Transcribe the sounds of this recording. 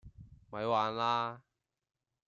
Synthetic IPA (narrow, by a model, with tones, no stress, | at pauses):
mɐ˨˧jwaː˨nlaː˧